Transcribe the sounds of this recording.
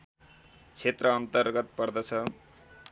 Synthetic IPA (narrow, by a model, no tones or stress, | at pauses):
t͡sʰet̪rʌːnt̪ʌrɡʌt̪pʌrd̪ʌt͡sʰʌ